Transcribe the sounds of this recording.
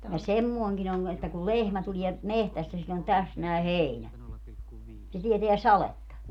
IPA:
jɑ semːoːŋkin oŋ etːæ kul lehmæ tulie mehtæstæ silʲː on tæs næˑi̯ heˑinæ se tieteæ sɑletːɑ

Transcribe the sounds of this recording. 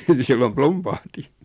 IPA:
ni silːom plumpɑhti

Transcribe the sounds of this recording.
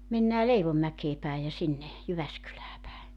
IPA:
menːæː leiʋomːækeː pæi jɑ sinːe jyʋæskylæː pæe

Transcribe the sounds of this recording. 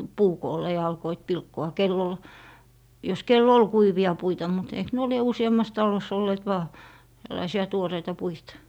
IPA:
puːkoːlːe jɑ ɑlkoit pilkːoɑ kelː ol jos kelː ol kuiʋiɑ puitɑ mut eik nuo lie usiɑmːɑs tɑlos olːeːt ʋɑː tælːɑisiɑ tuoreitɑ puitɑ

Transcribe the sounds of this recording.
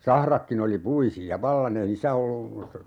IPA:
sɑhrɑkːin oli puisiɑ ʋɑlːɑn ei niːsːæ olːu

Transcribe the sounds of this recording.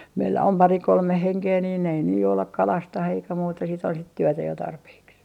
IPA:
meilːæ om pɑri kolme heŋkeː niːn ei ne joulɑk kɑlɑstɑh eikæ muːtɑ sit on sit tyøtæ jo tɑrpeːks

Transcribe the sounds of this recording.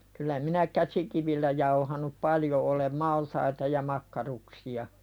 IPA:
kylˑæ minæ kæsikiʋilːæ jɑuhɑnup pɑljo ʔolem mɑltɑitɑ jɑ mɑkːɑruksiɑ

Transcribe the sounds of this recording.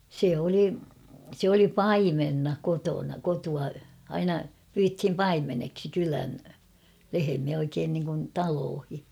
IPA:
se oli se oli pɑimenːɑ kotonɑ kotuɑ ɑinɑ pyːthim pɑimeneksi kylæn lehemiæ oikeːn niŋkun tɑloːhi

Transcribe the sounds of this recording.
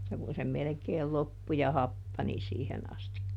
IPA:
tæ kun se melĕkeːl lopːu jɑ hɑpːɑni siːhen ɑstikːɑ

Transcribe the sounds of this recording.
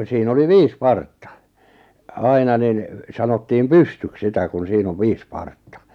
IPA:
siːn oli ʋiːs pɑrtːɑ ɑinɑ nin sɑnotːiːm pystyk sitæ kun siːn oʋ ʋiːs pɑrtːɑ

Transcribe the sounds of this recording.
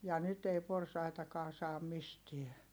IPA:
jɑ nyt ei porsɑitɑkɑː sɑːm mistiɛ

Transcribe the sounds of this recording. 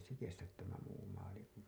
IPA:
se kestæt tæmæ muː mɑːli kun

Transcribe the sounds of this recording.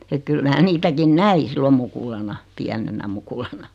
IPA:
et kyl mæː niːtækin næi silːom mukulɑnɑ piænenæ mukulɑnɑ

